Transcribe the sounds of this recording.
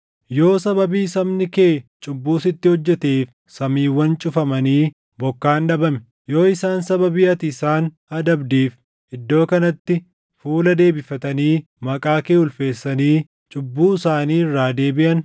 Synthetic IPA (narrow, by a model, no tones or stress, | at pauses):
jo̞ːsɐbɐbiːsɐbnɪke̞ːt͡ʃʼʊbːuːsɪt̪ːɪhɔd͡ʒːɛt̪eːf | sɐmiːwːɐnt͡ʃʼʊfɐmɐniː | bɔkːaːnɗɐbɐmɛ | jo̞ːɪsaːnsɐbɐbɪʔɐt̪ɪɪsaːn | ɐd̪ɐbd̪iːf | ʔɪd̪ːo̞ːkɐnɐt̪ːɪ | fuːlɐd̪e̞ːbɪfɐt̪ɐniː | mɐkʼaːkeːʊlfe̞ːsːɐniː | t͡ʃʼʊbːuːɪsaːniːɪrːaːd̪e̞ːbɪʔɐn